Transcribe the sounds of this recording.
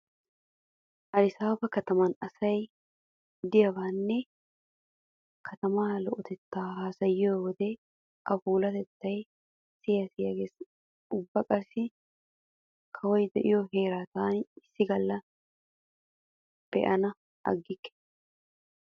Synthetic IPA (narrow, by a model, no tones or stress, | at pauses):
ʔɐɾɪsaːbɐkɐt̪ɐmɐnɐsɐj | d̪ɪjɐbaːnːɛ | kʰɐt̪ɐmaːlɔʔɔt̪ɛt̪ːaːhaːsɐjɪoːwɔd̪ɛ | ʔɐfuːlɐt̪ɛt̪ːɐj | sɪjɐsɪjɐɡeːs | ʊbːɐkʼɐɾsɪ | kʰɐwɔjd̪ɛʔɪjoɦeːɾat̪aːnɪsːɪɡɐlːɐ | b̥ɛ̰ʔɐnɐ | ʔɐ̰ɡːɪkːɛ̥